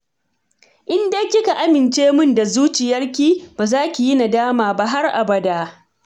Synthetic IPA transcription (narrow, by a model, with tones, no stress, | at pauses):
ʔɪ˦ndeː˦kʲɪ˦ka˨ʔa˦mɪ˨nt͡ʃeː˦mʊ˦nda˨zuː˦t͡ʃɪ˨jɐ˦rkʲiː˦baː˨zaː˦kʲi˨jɪ˦na˨daː˦maː˨ba˦ɦa˦rʔa̰˨bɐ˦da˦